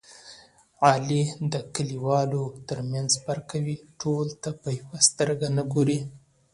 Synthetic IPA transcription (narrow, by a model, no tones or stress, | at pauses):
ʕɑlid̪əkəliwɑlot̪əɾmjanzbaɾkawiʈʰolt̪apəjawast̪əɾɡanəɡoɾi